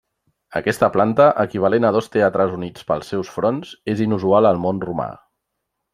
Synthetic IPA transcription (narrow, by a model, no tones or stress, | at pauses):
ə̰kɛst̪əplant̪əʔəkiβ̞əlenəðɔst̪eat̪ɾəzunit͡spəlˠsːɛwsfɾɔnzezinuzualəlˠmonruma̰